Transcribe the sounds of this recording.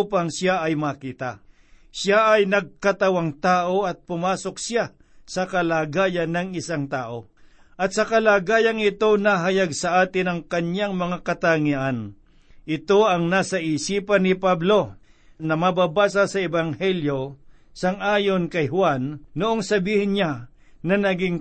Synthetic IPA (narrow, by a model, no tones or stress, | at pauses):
pɐŋsjaɐjmɐkiːt̪a | sjaʔɐjnɐɡ̚kɐt̪ɐwaŋt̪aːʔo̞ɐt̪̚pʊmaːsok̚sja | sɐkɐlaːɡaːjɐnːɐŋɪsaŋt̪aːʔo̞ | ʔɐt̪̚sɐkɐlaːɡaːjɐŋɪt̪o̞naɦɐjaɡ̚sɐʔaːt̪ɪnɐŋkɐɲjaŋmɐŋakɐt̪aŋiʔan | ʔɪt̪oɐŋnaːsɐʔisiːpɐnɪpablo̞ | nɐmabaːbaːsasɐɛbaŋhɛljo̞ | sɐŋʔaːjonkɐjɦwanːʊʔoŋsɐbiːhɪnɲa | nɐnɐɡɪŋ